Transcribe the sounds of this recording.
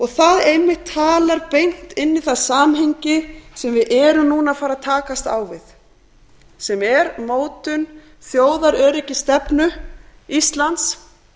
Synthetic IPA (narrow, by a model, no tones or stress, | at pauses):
ɔɣθaðɾejmːɪht̪ʰːaːlaɾpejŋ̥t̪ɪnːɪθaðsaːmɦejɲcɪsɛmvɪðʔɛːɾʏmnuːnafaːɾaðt̪ʰaːkast̪a̰ːwvɪð | sɛmɛɾmoːwt̪ʏn | θjoːwðaɾœːɾɪcɪst̪ɛpnʏist̪lant̪s